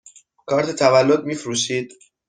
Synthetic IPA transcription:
kʰɒːɾt̪ʰet̪ʰævælːod̪̚miːfɾuːʃiːd̪̥

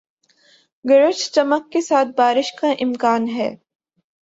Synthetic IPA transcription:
ɡɐɾət͡ʃt͡ʃɐməkːesaːt̪̚ʰbaːɾɪʃkaʔɪmkaːnɦɛ̰ː

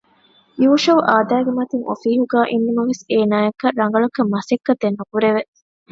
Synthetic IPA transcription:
juːʃɐʋʔaːd̪æːɡemɐt̪iŋo̰fiːɦuɡaːʔinːumɐʋeseːnaːekːɐɾɐŋ̆ɡɐɭɐkɐmːɐsekːɐt̪enːukuɾeʋe

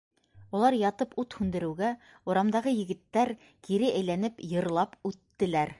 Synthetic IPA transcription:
ulˠɑɾjɑt̪ɤput̪hʉnd̪ɘ̆ɾɘ̆wɡæ | uɾɑmd̪ɑʁɤjɘ̆ɡɘ̆t̪ːæɾ | kiɾɘʔæjlænɘpjɤ̆ɾlˠɑpʉt̪ːɘ̆læɾ

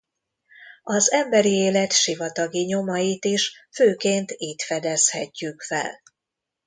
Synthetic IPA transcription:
ɒzɛmbɛɾieːlɛt̪ʃivɒt̪ɒɡiɲo̞mɒjit̪iʃføːkeːnt̪iːt̪fɛd̪ɛshɛcːykfɛ̰l

